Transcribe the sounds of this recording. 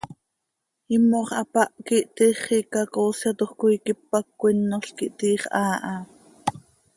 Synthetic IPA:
imːoχʔɑpɑʔkiʔt̪iχikɑkoːsɑt̪oχkojkipːɑkːʷinːoɬkiʔt̪iːχʔɑːʔɑ

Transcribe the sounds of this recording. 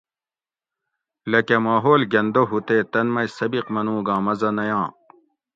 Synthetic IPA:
lɐkemaːɦoːlɡɐnd̪oɦut̪eːt̪ɐnmɐjsɐbiqmɐnũːɡãːmɐzɐnɐjãː

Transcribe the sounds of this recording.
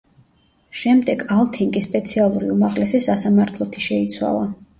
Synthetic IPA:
ʃɛmd̪ɛɡalˠt̪ʰiŋɡʼispʼɛt̪sʰialˠuɾḭumaʁlɛsisasamaɾt̪ʰlˠɔt̪ʰi̥ʃɛit̪sʰwa̰lˠa

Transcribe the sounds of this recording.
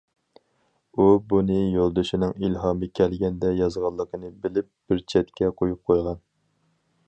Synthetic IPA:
ubunɨjolˠd̪ɨʃinɪŋilɦɑːmɨkʲʰɛlɡʲɛnd̪ɛjɑzʁɑlˠːəqʰənɨbɪlɪp̚b̥ɪɾt͡ʃʰɛt̪kʲʰɛqʰojup̚qʰojʁɑn

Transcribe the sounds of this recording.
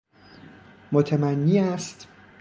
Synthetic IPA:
mot̪ʰemænːiːæst̪

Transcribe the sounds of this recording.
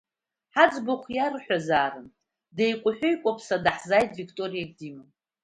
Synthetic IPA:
ħad͡zboχʷjarħʷᶣazaːrɨn | dejkʷʼʊħʷᶣʊjkʷʼapʰsadaħzajtʰʼvikʰʼtʼo̞rijaɡdimɨ

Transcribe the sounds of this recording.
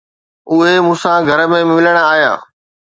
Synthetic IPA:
ʊɦemũːsãɡʱɐɾəmẽmɪʋɪləɽ̃aːɦja̰ː

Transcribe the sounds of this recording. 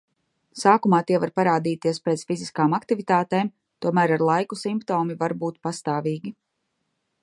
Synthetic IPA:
saːkumaːt̪iɛvaɾpaɾaːd̪iːt̪iɛspɾɛt̪sfiziskaːmakt̪ivit̪aːt̪eːm | t̪uɔmæːɾaɾlˠajkusimpt̪ɔːmivaɾbuːt̪past̪aːviːɡʲi

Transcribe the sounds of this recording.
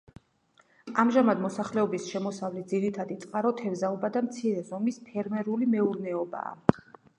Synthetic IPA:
amʒamad̪mɔsaχlɛɔbisʃɛmɔsavlɛt̪̚d̪ziɾit̪ʰad̪it̪sʼqʼaɾɔt̪ʰɛvzaɔbad̪amt̪sʰiɾɛzɔmispʰɛɾmɛɾulimɛuɾnɛɔba̰ː

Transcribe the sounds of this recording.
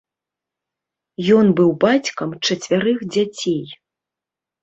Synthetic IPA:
jɔnbɨwbat͡sʲkɐmt͡ʂɐt͡sʲvʲaɾɨxd͡zʲat͡sʲej

